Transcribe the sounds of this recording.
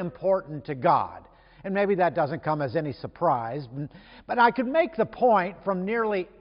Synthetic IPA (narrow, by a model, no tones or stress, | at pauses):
ɨ̃mpʰɔɹʔn̩tʰɨɡɑ̰d | ɨ̃nmeɪbiðɨt̚d̥ʌzɨ̃nkʰʌ̃mɨzɛnisə˞pʰɹ̥aɪzb̥ʌɾaɪkɨd̚meɪk̚ðəpʰɔ̃ɪ̃ntfɹʌ̃mnɪɹlˠi